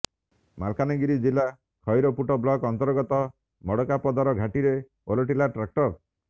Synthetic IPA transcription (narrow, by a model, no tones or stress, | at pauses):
malkaniɡiɾid͡ʒila | kʰɔjɾɔpuʈɔblɔkɔnt̪ɔɾɡɔt̪ɔ | mɔɽɔkapɔd̪ɔɾɔɡʱaʈiɾe | o̰loʈilaʈɾak̚ʈɔɾ